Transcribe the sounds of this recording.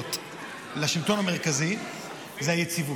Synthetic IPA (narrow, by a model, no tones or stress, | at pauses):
t | laʃimt̪o̞nameʁ̞kazi | zeajet͡sivu